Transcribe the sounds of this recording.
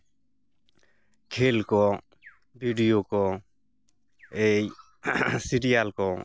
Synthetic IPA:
kʰelkɔ | bʱiɖijokɔ | ej | siɾijalkɔ

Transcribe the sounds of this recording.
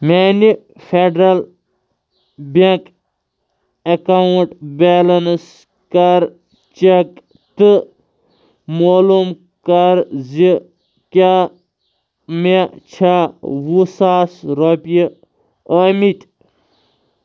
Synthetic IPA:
meni | feɖɾɐl | bʲɐk | ɐkawuʈbelɐns | kɐɾ | t͡ʃek | t̪ɨ | moːlum | kɐɾzi | kʲa | met͡ʃʰawusaːsɾopi | əmit̪ʲ

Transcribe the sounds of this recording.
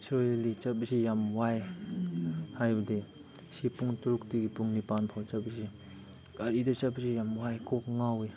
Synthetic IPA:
sɾoelit͡ʃapisijamwaj | hajbde | sipuŋtuɾuk̚tiɡipuŋnipanpʰawt͡ʃapisi | kaɾidɯt͡ʃapisijamwajkʰɔk̚ŋawi

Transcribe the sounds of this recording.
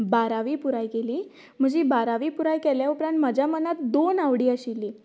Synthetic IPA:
baɾaʋiːpuɾajkeliː | m̤əd͡ʑiːbaɾaʋiːpuɾajkɛljaupɾãnt̪məd͡ʑʱjamənat̪d̪onaʋɽiːəɕiliː

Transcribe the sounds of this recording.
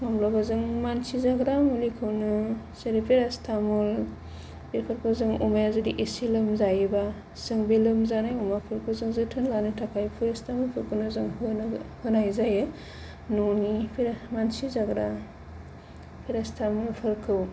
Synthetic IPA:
mamlɔbazɯŋmansizaɡɾamulikʰɯwnɯ | seɾipʰiɾastʰamul | biɾpʰɯɾkʰɯzɯŋṵmajazɯdiʔisilɯmzajba | sɯŋbilɯmzanajumapʰɯɾkʰɯzɯŋzɯtʰɯnlanɯtʰakʰajpʰɯɾastʰamulpʰɯɾkɯnɯzɯŋhɯnhɯnajzajɯ | nonipʰiɾmansizaɡɾa | pʰiɾastʰamulpʰɯɾkʰɯw

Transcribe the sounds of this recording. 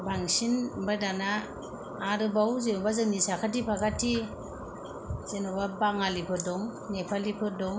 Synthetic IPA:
baŋsinbadanaː | ɾɯbawzenɔbazɯŋnisakʰatipʰaɡatʰi | z̥enɔbabaŋalipʰɯdɔŋ | nepʰalipʰɯdɔŋ

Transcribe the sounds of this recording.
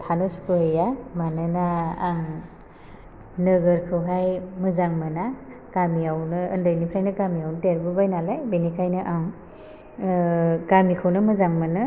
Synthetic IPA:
tʰanuspɯhɯjamanɯnaaŋ | nɯɡɯɾkʰɯwɦajmɯzaŋmɯna | ɡ̥amijawnɯɯndɯjnipʰɾajnɯkɡamijawnɯteɾbɯbajnalajbinikʰajnɯʔaŋ | ɡamikʰɯwnɯmɯzaŋmanɯ

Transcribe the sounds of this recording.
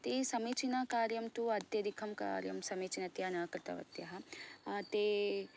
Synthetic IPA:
t̪isɐmeːt͡ʃinakaːɾjɐmt̪uɐd̪jɐd̪ikʰɐmka̰ːɾjɐmsɐmeːt͡ʃinɐt̪janɐːkɾɨt̪ɐ̰ʋɐ̰t̪jɐɦɐt̪e

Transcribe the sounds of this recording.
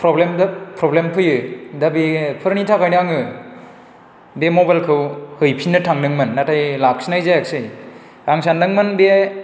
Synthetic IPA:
pʰɾɔblemdɐpʰɾɔblempʰɯjɯdɐbipʰɯɾnitʰakajnɯaŋɯ | bemɔbajlkʰɯwhɯjpʰinːɯtʰaŋnɯŋmɯnːatʰajlak̚sinajzajak̚sɯj | aŋsandɯŋmɯnbe

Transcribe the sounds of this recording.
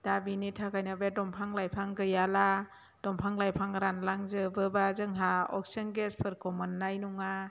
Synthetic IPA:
d̥abinitʰakajnabedɔmpʰaŋlajpʰaŋɡɯjala | d̥ɔmpʰaŋlajpʰaŋɾanlaŋzɯbɯbazɯŋɦaɔksenɡespʰɯɾkɔmɯnːajnuŋa

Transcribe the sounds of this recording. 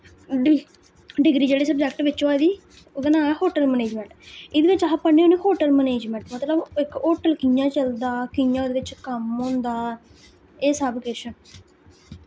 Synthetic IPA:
ɖi | ɖɪɡɾiːd͡ʒeːɽeːsəbd͡ʒɛkʈʋɪt͡ʃoaːd̪iː | od̪ənãːhoːʈəlməneːd͡ʒmɛ̃ɳʈɪd̪eʋɪt͡ʃapəɳːeonẽːhoːʈəlməneːd͡ʒmɛ̃ɳʈmət̪ləbɪkoːʈəlkɪjãːt͡ʃəld̪aːkɪjãːd̪eːʋɪt͡ʃkəmɦõːnd̪aː | eːsaːbkeːʃən

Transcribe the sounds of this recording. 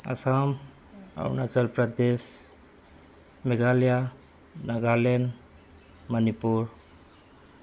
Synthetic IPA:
a̰sam | a̰wnat͡ʃəlpɾəd̪es | meɡalija | naɡalen | mənipuɾ

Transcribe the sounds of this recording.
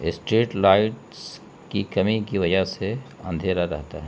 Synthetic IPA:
ɪsʈɾiːʈlaːɪʈ | s | kikɐmikiʋɐd͡ʒəɦseɐ̰̃nd̪ʱeːɾaɾɐ̰ɦt̪a̰ɦɛ

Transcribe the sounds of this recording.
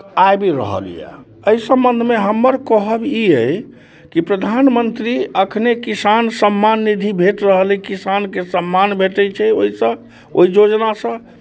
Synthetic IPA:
ajbiɾə̰ɦə̰lḭja̰ | əisəmbə̃nd̪ʱmeɦəmːəɾkəɦəbiəj | kipɾəd̪ʱanmənt̪ɾiəkʰnekisansəmːanːid̪ʱibʱeʈɾəɦəlɛkisankesəmːanbʱeʈɛt͡ʃʰɛoisə̃ | o̰id͡ʒod͡ʒnasə̃

